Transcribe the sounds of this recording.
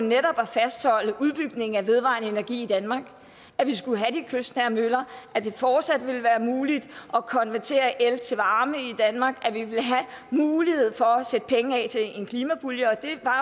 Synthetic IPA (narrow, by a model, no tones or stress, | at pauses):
neɾɒ̽b̥æfæsd̥hɒ̽l̰əʔuð̞ˠb̥yɡ̥ne̝ŋ̩æʋe̝ð̞ˠʋɑ̰̈ːnəe̝næɐɡ̥ḭːid̥ænmɑ̈ɡ̥ | æʋis̬ɡ̥uləɦæd̥ikʰøsd̥næɐmølɐæd̥e̝fɒːd̥sæd̥ʋe̝ləʋæːɐmuːlid̥ʔɒ̽kʰɒ̽nʋæɐt͡sʰe̝̰ːɐʔelt͡sʰe̝ʋɑ̈ːməid̥ænmɑ̈ːɡ̥æʋiʋe̝lɦæ | muːlihe̝ð̰ˠfɒ̽sed̥ə̥pʰeŋəɛ̰t͡sʰe̝e̝nkʰliːmæb̥uljəɒ̽d̥e̝ʋɑ̈